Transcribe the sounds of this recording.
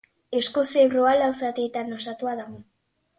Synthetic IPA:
e̞sko̞seβroalawsat̪eːt̪anosat̪uaðaɣo̞

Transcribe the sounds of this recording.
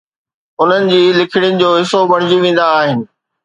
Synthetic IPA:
ʊn̤ənɪ̆d͡ʑiːlɪkʰɪɽ̃jənɪ̆d͡ʑoːɦɪsobɐɽ̤̃ɪd͡ʑiʋẽːn̆d̪aːɦɪnɪ̆

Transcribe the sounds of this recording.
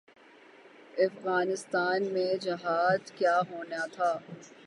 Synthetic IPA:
ɐfɣaːnɪst̪aːnmẽd͡ʒɪɦaːd̪kjaːɦoːnat̪ʰaː

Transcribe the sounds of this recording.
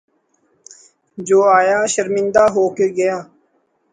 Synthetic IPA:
d͡ʒoːaːjaːʃəɾmɪ̃nd̪aːɦoːkeːɡəjaː

